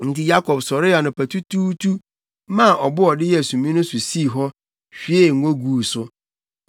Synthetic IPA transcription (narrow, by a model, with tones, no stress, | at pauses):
n̩˨tɪ˦ja˦kʰɔ˨bsɔ˨ɾɪ˦a˨nʊ̃˨pʰæ˨tʰu˦tʰuː˦tʰu˦ | mã˦˨ʔɔ˨bʊ˦ɔ˨dɪ˦jɛ˦˨sũ˨mĩ˦nʊ̃˦sʊ˨si˦˨ɦɔ˦ | ɕᶣi˨e˦˨ŋ̩ʷ˨õ˦ɡuː˦˨sʊ˦